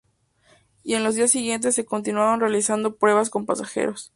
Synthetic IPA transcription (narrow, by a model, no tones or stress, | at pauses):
ie̞nlo̞zðiasːiɣje̞nt̪̬e̞sːe̞ko̞nt̪inwaβanre̞alisand̪o̞pɾwe̞βas̬ko̞mpasaxe̞̰ɾos